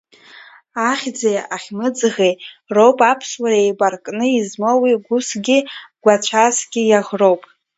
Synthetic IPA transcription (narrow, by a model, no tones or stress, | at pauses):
aχʲd͡zejʔaχʲmɨd͡zʁerowpʼapʰswaɾejbʼarkʼnɨizmawiɡʷʊsɡʲiɡʷat͡ɕʷʰasɡʲɪjaʁrowpʼ